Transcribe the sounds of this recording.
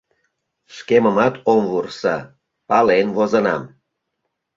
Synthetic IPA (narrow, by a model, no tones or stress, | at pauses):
ʃkeməmɑt̪omvursɑ̰ | pɑlenvozənɑ̰m